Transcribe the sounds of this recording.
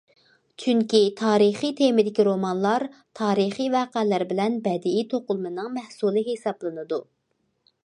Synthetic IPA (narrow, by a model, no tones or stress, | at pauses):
t͡ʃʰyŋkʲit̪ʰɑːɾiχijt̪ʰemɪd̪ɪkʲiɾomɑnlˠɑɾt̪ʰɑːɾiχijvɑːqɛlæɾbɪlɛnbɛd̪ɪit̪ʰoqʊlˠmɨnɨŋmɛhsulˠɨɦesɑblˠɨnɨd̪u